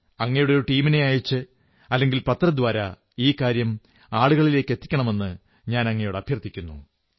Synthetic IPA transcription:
ɐŋːɐjuɽeoɾuʈiːmine̞aːjit͡ɕːɨ | ɐlːe̞ŋɡilpɐt̪ːrɐd̪ʋaːɾɐ | iːkaːɾjɐm | aːɭuɣɐɭile̞ːkːe̞t̪ːi̥kʲːɐɳɐme̞nːɨ | ɲaːnɐŋːɐjoɽɐbʱjɐrt̪ʰːikʲːunːu

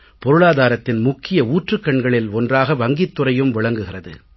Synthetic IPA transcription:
pɔɾɯɭaːðaːɾɐt̪ːɪnmʊkːɪjɐuːʈrɯkːɐɳɡɐɭɪlɔndraːɣɐʋɐŋɡɪt̪ːɯrɐjɯmʋɪɭɐŋɡɯɣɪrɐðɯ̰

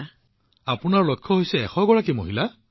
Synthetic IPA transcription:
apʊnaɹlɔjkʰːɔɦojsɛːxɔɡɔɹakimo̰ɦila

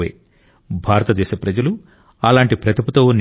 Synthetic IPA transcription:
ḛː | bʱaːɾɐt̪ɐd̪ɛːʃɐpɾɐd͡ʒɐlu | ɐlaːɳʈipɾɐt̪iput̪oːn

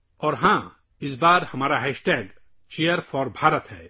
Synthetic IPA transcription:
ɔːɾɦã | ɪsbaːɾhɐmaːɾaɦɛsʈeːɡ | t͡ʃejəɾfɔɾbʱaːɾət̪hɛ̰ː

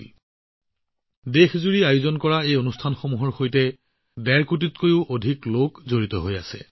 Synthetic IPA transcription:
dexzuɹiajuzɔnkɔɹaejonustʰanxomuɦɔɹxojtɛ | dɛɹkut̬itkojʊʔodʱiklokzoɹitɔɦojasɛ̰

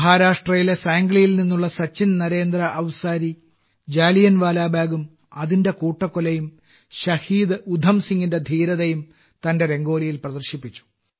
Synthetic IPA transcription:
mɐɦaːɾaːʂʈrɐjile̞saːŋɡɭijilninːuɭːɐsɐt͡ɕːinnɐɾe̞ːnd̪ɾɐʔːʋsaːɾi | d͡ʑaːlijɐnʋaːlaːbʱaːɡum | ɐðinde̞kuːʈːɐkːolɐjum | ɕɐhiːd̪ud̪ʱɐmsiŋɡinde̞d̪ʱiːɾɐðɐjum | t̪ɐnde̞ɾe̞ŋɡo̞ːɾijilprɐd̪ɐrɕipːit͡ɕːu̥

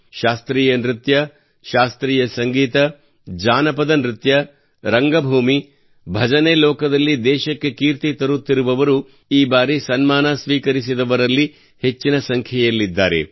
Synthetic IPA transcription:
ʃaːst̪ɾiːjɐnɾit̪jɐ | ʃaːst̪ɾiːjɐsɐŋɡiːt̪ɐ | d͡ʒaːnɐpɐd̪ɐnɾit̪jɐ | ɾɐŋɡɐbʱuːmi | bʱɐd͡ʒɐneːlɔːkɐd̪ɐlːid̪ɛːʃɐkːe̞kiːɾt̪it̪ɐɾut̪ːiɾuʋɐʋɐɾu | iːbaːɾisɐnmaːnɐsʋiːkɐɾisid̪ɐʋɐɾɐlːi | he̞t͡ʃːinɐsɐŋkʰjɐjɐlːid̪ːa̰ːɾe̞̰

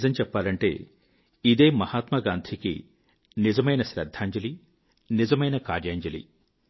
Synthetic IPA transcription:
zɐmt͡ʃɛpːaːlɐɳʈe̞̰ː | id̪e̞ːmɐhaːt̪mɐɡaːnt̪ʰikḭ | nizɐmɐjnɐʃɾɐd̪ʱːaːɲd͡ʒɐli | nizɐmɐjnɐkaːɾjaːɲd͡ʒɐlḭ

